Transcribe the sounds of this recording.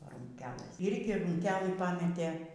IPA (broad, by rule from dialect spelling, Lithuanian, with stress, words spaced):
bʲɛ ruːŋʲˈkʲæːlˠɘs ɪrʲɡʲɪ ruːŋʲˈkʲæːlˠɨ pɐˈmʲæːtʲeː